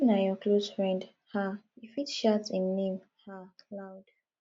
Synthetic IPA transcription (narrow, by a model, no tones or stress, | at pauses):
najɔkʰloz̥fɹɛ̃nd | haifitʃatsĩnːẽm | hakʰlawd̥